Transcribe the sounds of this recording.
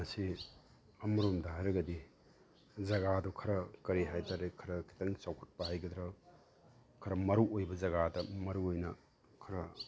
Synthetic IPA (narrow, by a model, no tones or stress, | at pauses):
ɐsi | ɐmɐɾomdɐɦajɾɐɡɐdi | zɐɡadɔkʰɐɾɐkɐɾiɦajtʰaɾekʰɐɾɐkʰi̥tɐŋsawkʰɐ̥t̚pɐɦajɡɐd̪ɾa | kʰɐɾɐmɐɾuojbɐzɐɡadɐmɐɾuojnɐ | kʰɐɾɐ